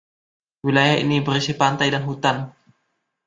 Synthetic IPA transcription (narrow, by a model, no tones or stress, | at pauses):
wilajaʔnibəɾisipant̪ajdanɦut̪an